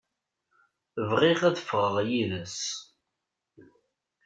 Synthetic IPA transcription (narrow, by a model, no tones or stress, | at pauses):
əvʁiʁæðəfʁəʁjiðəs